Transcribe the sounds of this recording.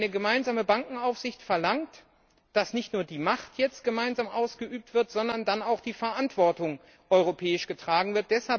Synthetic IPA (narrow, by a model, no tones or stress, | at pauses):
nəɡəmaɪnzaːməbaŋkŋ̩aʊfz̥ɪçtfɛɐlaŋt | d̥asnɪçtnuːɐdiːmaχtjɛt͡st̚ɡ̥əmaɪnzaːmʔaʊsɡ̥əʔyːp̚tv̥ɪɐtz̥ɔndɐndanaʊxd̥iːfɛɐʔantv̥ɔɐtʊŋ | ʔɔʏʁopʰɛːɪʃɡ̥ətʁ̥aːɡŋ̩vɪɐt̚d̥ɛshal